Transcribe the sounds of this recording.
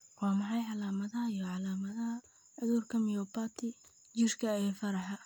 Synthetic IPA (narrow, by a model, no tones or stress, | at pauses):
wɑːmɑħɑjħɑlaːmɐðɐhɐijɔʕɑlaːmɐðɐhɐ | ʕʊðuːrkʰɐmɪjɔpat̪ʰɪ | d͡ʒɪrkʰɐɛːfɐɾɐħɐ